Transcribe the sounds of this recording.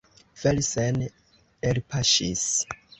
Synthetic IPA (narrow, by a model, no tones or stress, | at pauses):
velsɛn | elpʰaʃḭs